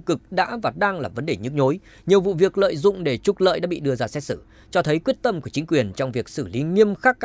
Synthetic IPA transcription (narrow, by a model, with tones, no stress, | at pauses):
kɨ˨˩k̚ɗa̰ː˧˥vaː˨˩ɗaː˧ŋlaː˨˩və˨˦nɗe˨˩ɲɨ̰˦˥k̚ɲo˨˦j | ɲi˨˩əwvṵ˧˨vi˨˩ək̚lə̰ː˧˨jzʊ̰˧˨ŋ͡mɗe˧˩t͡ɕʊ˨˧˩k͡p̚lə̰ː˧˨jɗa̰ː˧˥ɓḭ˧˨ɗɨ˧əzaː˧sɛ˦˥t̚sɨ˧˩ | t͡ɕɔ˧t̪ʰə˨˦jkwi˦˥ət̚t̪ə˧mku˧˩ət͡ɕï˨˦ŋ̟kwi˨˩ənt͡ɕɔ˧wŋ͡mvi˨˩ək̚sɨ˧˩li˨˦ŋi˧əmxaː˦˥kː